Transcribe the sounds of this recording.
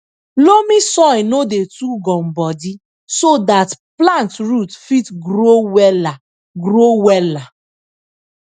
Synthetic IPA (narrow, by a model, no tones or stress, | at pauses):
lomĩsɔ̃jnodetuɡɔ̃mbɔdi | sodatplãntɹutfitɡɾowɛla | ɡɾowɛla